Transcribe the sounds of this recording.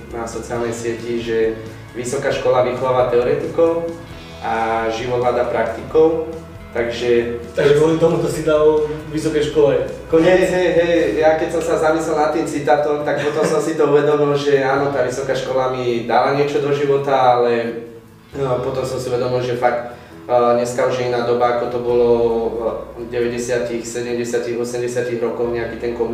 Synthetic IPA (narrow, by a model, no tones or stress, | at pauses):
nafsɔt͡sɪaːlnɛjsɪɛciʒɛ | ʋisɔkaːʃkɔlaʋixɔʋaːʋat̪ɛɔɾɛt̪ikɔʊ | ʔaʒiʋɔd̪ɦlad̪apɾakt̪ikɔʊ | t̪aɡʒɛt̪aɡʒɛɡʋɔlit̪ɔmut̪ɔsid̪alʋisɔkɛjʃkɔlɛkɔɲɛɦɛjɦɛjjakɛcsɔmsazamislɛlnat̪ːiːmt͡sit̪aːt̪ɔmt̪ak̚pɔt̪ɔmsɔmsit̪ɔuʋɛd̪ɔmilʒɛaːnɔt̪aʋisɔkaʃkɔlamid̪aːʋaɲɪɛt͡ʃɔd̪ɔʒiʋɔt̪aalɛ | pɔt̪ɔmsɔmsiuʋɛd̪ɔmilʒɛfak̚t̪ | ɲɛskauʒɛinaːd̪ɔbaːkɔt̪ɔbɔlɔ | ɟɛʋɛɟɛsɪat̪ixsɛɟɛmɟɛsɪat̪iɣɔsɛmɟɛsɪat̪iɣɾɔkɔʊɲɛakit̪ɛnkɔm